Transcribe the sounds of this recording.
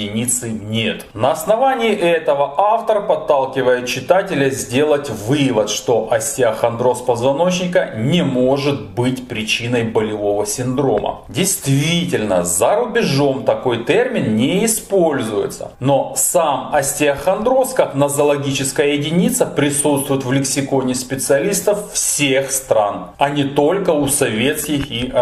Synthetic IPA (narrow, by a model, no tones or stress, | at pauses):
ɪnʲit̪sɨnʲe̞t̪nɐɐsnɐvanʲɪːʔɛt̪əvəʔaft̪əɾpɐt̪ːalˠkʲɪvəjʊt̪̚t͡ɕːɪt̪atʲɪlʲəzʲdʲe̞lˠətʲvɨvət̪ʂt̪o̞ʔɐsʲtʲɪɐxɐnd̪ɾo̞spɐzvɐno̞t͡ɕnʲɪkənʲɪmo̞ʐɨt̪̚bɨtʲpɾʲɪt͡ɕinəjbəlʲɪvo̞vəsʲɪnd̪ɾo̞mə̰dʲɪjst̪vʲitʲɪlʲnəzɐɾʊbʲɪʐo̞mt̪ɐko̞jt̪ermʲɪnnʲɪɪspo̞lʲzʊjɪ̰t̪sə̰no̞samɐsʲtʲɪɐxɐnd̪ɾo̞skɐfnɐzɐlˠɐɡʲit͡ɕɪskəjəjɪdʲɪnʲit̪səpɾʲɪsut̪st̪vʊjɪt̪vlʲɪksʲɪko̞nʲɪspʲɪt̪sɨɐlʲist̪əffsʲexst̪ɾan | ɐnʲɪt̪o̞lʲkəʊsɐvʲe̞t̪skʲɪxi